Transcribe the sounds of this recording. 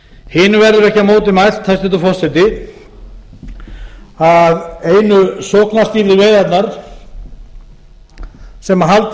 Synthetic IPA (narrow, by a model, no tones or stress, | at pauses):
hɪːnʏvɛɾðʏɾɛhcamoːwt̪̬ɪmaj̪̥t̪ʰːajsɛt̪ʏfɔr̥sɛt̪ɪ | aðeːjnʏsɔːknast̪iːɾðɪveːjðat̪naɾ̥ | sɛmaɦalt̪